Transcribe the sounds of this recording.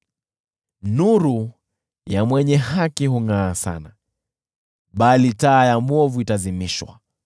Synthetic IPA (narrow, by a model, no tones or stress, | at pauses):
nuɾu | jamwɛɲɛhakihuŋaːsa̰na | ɓalitaːjamwɔvuitazimiʃwa̰